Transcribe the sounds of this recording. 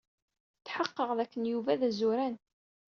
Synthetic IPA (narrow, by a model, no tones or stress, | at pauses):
θħəqːəʁðækːənjuvæðæzuɾæn